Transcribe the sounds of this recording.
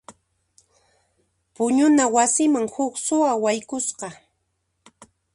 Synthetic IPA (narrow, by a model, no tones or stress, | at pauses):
pʊɲʊnawasɪmaŋhʊksʊawajkʊsqɑ